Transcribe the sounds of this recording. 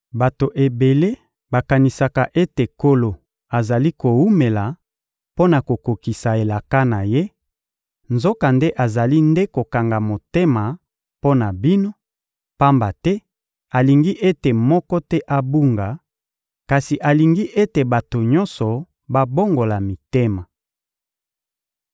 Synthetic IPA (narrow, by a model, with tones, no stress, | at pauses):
ba˨to˨ʔe˨be˨le˦ | ba˨ka˨ni˨sa˨ka˨ʔe˦te˨ko˦lo˨ | a˨za˨li˦ko˨wu˦me˨la˨ | po˦na˨ko˨ko˨ki˨sa˨e˨la˨ka˦na˨je˦ | nzo˦ka˨nde˦ʔa˨za˨li˦nde˦ko˨ka˨ŋɡa˨mo˨te˦ma˨ | po˦na˨bi˦no˦ | pa˦mba˨tɛ˦ | a˨li˨ŋɡi˦ʔe˦te˨mɔ˦kɔ˦tɛ˦ʔa˦bu˦ŋɡa˨ | ka˨si˨ʔa˨li˨ŋɡi˦ʔe˦te˨ba˨to˨ɲɔ̃˦nsɔ˨ | ba˦bo˦ŋɡo˨la˨mi˨te˦ma˨